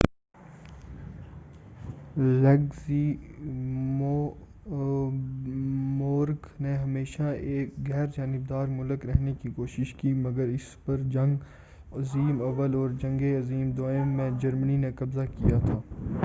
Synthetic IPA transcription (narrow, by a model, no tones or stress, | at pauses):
lɛɡzi | m | moːɾkneɦɐmeːʃaeːkɣɛːɾd͡ʒaːnɪbd̪aːɾmʊləkɾɛɦnekikoːʃɪʃkimɐɡəɾɪspɐɾd͡ʒɐ̃ŋɡ | ɐziːmɐʋəlɔːɾd͡ʒɐ̃ŋɡeɐziːmd̪oɪmːẽd͡ʒɐɾməninekɐbzakijat̪ʰaː